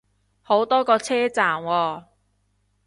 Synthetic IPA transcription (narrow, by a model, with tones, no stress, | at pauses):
ho˨˥wt̪ɔː˥kɔː˧t͡sʰɛː˥t͡saː˨˩mwɔː˧